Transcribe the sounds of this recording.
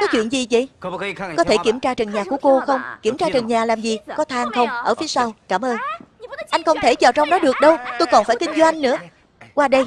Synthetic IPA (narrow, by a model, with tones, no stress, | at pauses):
kɔ˨˦t͡ɕwḭ˧˨ənzi˨˩zə̰˧˨jkɔ˨˦t̪ʰe˧˩ki˧˩əmt͡ɕaː˧t͡ɕə˨˩nɲaː˨˩ku˧˩əko˧xə˧wŋ͡mki˧˩əmt͡ɕaː˧t͡ɕə˨˩nɲaː˨˩laː˨˩mzi˨˩kɔ˨˦t̪ʰaː˧ŋxə˧wŋ͡mʔəː˧˩fi˨˦əsa˧wt͡ɕaː˧˩mʔəː˧nʔa˧jŋ̟kə˧wŋ͡mt̪ʰe˧˩t͡ɕaː˨˩wt͡ɕɔ˧wŋ͡mɗɔ˨˦ɗɨ˨˩ək̚ɗə˧wt̪o˧jkɔ˨˩nfaː˧˩jkï˧ŋ̟zwa˧jŋ̟nɨ̰˧˥ə | kwaː˧ɗə˧j